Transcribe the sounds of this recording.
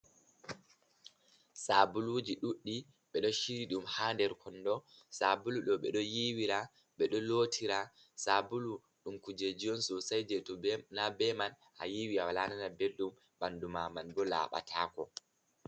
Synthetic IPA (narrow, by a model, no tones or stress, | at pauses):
sabulud͡ʒiɗuɗːi | ɓɛɗɔʃiɾiɗumhaːndɛɾkʰɔndɔ | sabuluɗɔɓɛ̰ɗɔjiwiɾa | ɓɛɗɔloːtʰiɾa | sabulu | ɗumkud͡ʒed͡ʒijɔnsɔsajd͡ʒɛtɔnabɛman | ʔa̰jiwiawalananabelɗum | bandumamanɡɔla̰ːɓa̰tʰaːkɔ